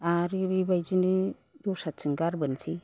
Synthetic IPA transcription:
aɾibibajd͡ʒinɯ | dɔsat͡ʃʰɯŋɡaɾbɯnsi

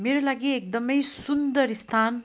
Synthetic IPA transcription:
meɾolaɡiek̚d̪ʌmʌjsund̪ʌɾist̪ʰan

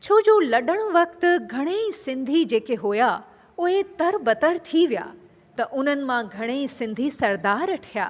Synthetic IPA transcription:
t͡ɕʰoːd͡ʑolɐɗəɽ̃ʊʋɐkt̪ʊ̆ɡʱɐɽ̃esɪ̃nd̪ʱid͡ʑeːkeɦoːja | ʊɦet̪ɐɾbɐt̪əɾt̪ʰiʋija̰ː | t̪ɐʔʊn̤ənɪ̆mãɡʱɐɽ̃esɪ̃nd̪ʱisɐɾd̪aːɾɐʈʰija̰ː

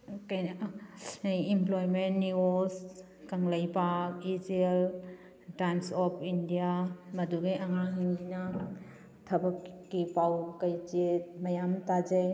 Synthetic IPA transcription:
k | jimplɔjmenːios | kɐŋləjpakid͡ʒel | tajmsɔpʰindijamɐduɡejʔaŋaɦɯŋina | tʰɐbɐkːipawkəjt͡ʃet̚mɐjamtad͡ʒaj

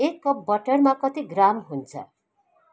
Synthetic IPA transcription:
ekːʌbʌʈʌrmakʌt̪iɡramɦunt͡sʰʌ̰

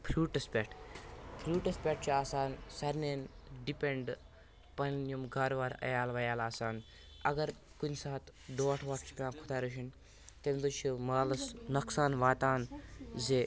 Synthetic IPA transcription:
pʰɾuːʈɐspʲeʈʰpʰɾuːʈɐspʲeːʈ̚ʰt͡ʃiaːsaːnsɐɾneːnɖipʲeɳɖ | pɐnjumɡaːɾʋaːɾɐ̰jaːlʋɐjaːlaːsaːn | ɐɡɐɾ | kunʲsaːt̪ | ɖoːʈʰʋaːʈt͡ʃʰi̥pʲãːkʰu̥t̪aːɾuʃin | t̪emd̪ut͡ʃʰimaːlɐsnɐksaːnʋaːt̪aːnzeː

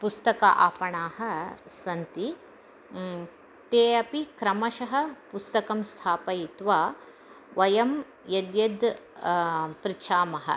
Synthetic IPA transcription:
pust̪ɐkɐ̰ʔaːpɐɳaːhɐ̆sɐnt̪i | t̪eːɐpikɾɐmɐʃɐɦɐ̆pust̪ɐkɐmst̪ʰaːpɐjit̪ʋaː | ʋɐjɐm | jɐd̪jɐd̪ | pɾit͡ʃʰaːmɐɦɐ̰

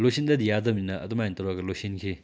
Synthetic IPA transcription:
losindɐd̪ijazɐminɐɐ̰d̪umajent̪ɔɾwaɡɐlosinkʰi

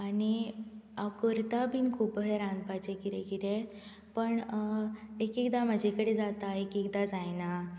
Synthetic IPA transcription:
aniakəɾt̪abinkʰuːpəɦeɾãnd̪pat͡ɕekiɾekiɾe | pəɳ | ekikd̪am̤əd͡ʑʱekəɽed͡zat̪aekikd̪ad͡zajna

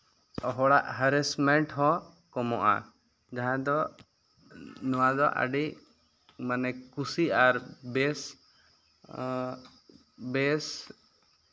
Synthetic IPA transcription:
ɔɦɔɽaʔɦəɾɛsmɛɳʈɦɔ̃ | kɔmɔʔa̰ | d͡ʒaɦãd̪ɔ | nɔwad̪ɔʔa̰ɖiʔ | manɛkusiaɾbɛs | bɛs

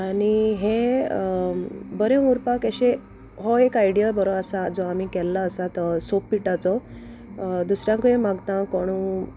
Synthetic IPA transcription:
aɽiɦe | bəɾeuɾpakeɕe | ɦoekajɽijəbəɾoasad͡zɔam̤ikɛlːaəsat̪sopːiʈat͡sɔ | d̪usɾjãŋkemaɡt̪ãkoɽ̃u

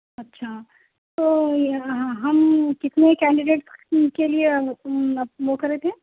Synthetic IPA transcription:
ɐtːʃʰaː | t̪oːɦãɦɐmkɪt̪nekɛ̃ːɳɖɪɖeːʈskelie | ʋokɐɾet̪ʰeː

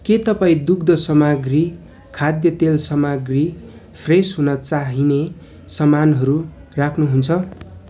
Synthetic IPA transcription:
ket̪ʌpaĩd̪ukd̪ʌsʌmaɡri | kʰad̪jʌt̪elsʌmaɡri | pʰresɦunʌt͡saɦine | sʌmanɦʌɾurakʰnuɦunt͡sʰʌ

